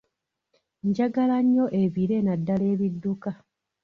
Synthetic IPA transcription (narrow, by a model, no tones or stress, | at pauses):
ɲɟaɡalaɲːo̞ʔe̞βiɾe̞nadːale̞ːβidːuka